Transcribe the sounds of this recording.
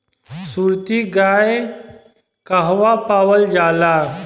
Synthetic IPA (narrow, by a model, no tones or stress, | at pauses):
suɾt̪iɡaj | kəɦʋapaʋəld͡ʑaːla